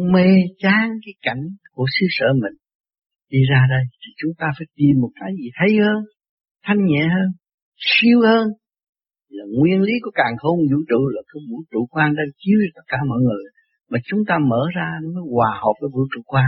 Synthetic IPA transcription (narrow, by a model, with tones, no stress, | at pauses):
ŋ͡mme˧t͡ɕaː˨˦ŋkaː˨˦jka˧˩jŋ̟ku˧˩˦əsɨ˧sə̰ː˧˩mï˨˩ŋ̟ | ɗi˧zaː˧ɗə˧jt̪ʰi˨˩t͡ɕʊ˨˦ŋ͡mt̪aː˧faː˧˩˦jt̪i˨˩mːo˨˩t̚kaː˨˦jzi˨˩t̪ʰə˨˦jhəː˧n | t̪ʰa˧jŋ̟ɲɛ̰˧˨həː˧n | si˧əwhəː˧n | laː˨˩ŋwi˧ənli˨˦kɔ˨˦kaː˨˩ŋho˧nzṵ˧˥t͡ɕṵ˧˨laː˨˩kə˧˦vṵ˧˥t͡ɕṵ˧˨kwaː˧ŋɗa˧˩nt͡ɕi˧˦əwt̪ə˦˥t̚kaː˧˩mɔ̰ː˧˨jŋɨ˨˩əj | maː˨˩t͡ɕʊ˨˦ŋ͡mt̪aː˧məː˧˩˦zaː˧ɗə˧˨˦məː˨˦jkwaː˨˩hə˨˩p̚vaː˨˦vṵ˧˥t͡ɕṵ˧˥kwaː˧ŋ